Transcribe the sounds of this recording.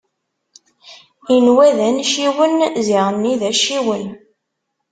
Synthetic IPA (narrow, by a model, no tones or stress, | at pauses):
inwæðænʃiwənziʁənːiðæʃiwən